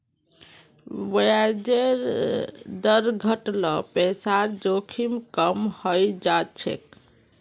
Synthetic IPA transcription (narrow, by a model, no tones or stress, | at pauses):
wəjad͡ʒeɾ | d̪əɾɡʱəʈlɔpesaɾd͡ʒokʰimkəmhəjd͡ʒat͡ʃʰḛk